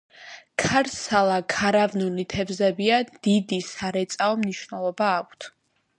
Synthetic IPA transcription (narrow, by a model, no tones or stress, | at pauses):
kʰaɾsalˠakʰaɾavnulit̪ʰɛvzɛbiad̪̥id̪isaɾɛt̪sʼaɔmniʃvnɛlˠɔbaːk̚ʷʰt̪ʰ